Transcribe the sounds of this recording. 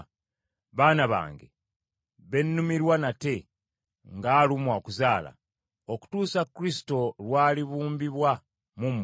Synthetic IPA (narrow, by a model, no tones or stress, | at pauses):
βaːnaβa̰ːŋɡḛ | βe̞nːumiɾwanate̞ | ŋɡaːlumwakuzaːla̰ | o̞ku̥tuːsakːuɾisi̥to̞lwaːliβuːmbiβwa | mumː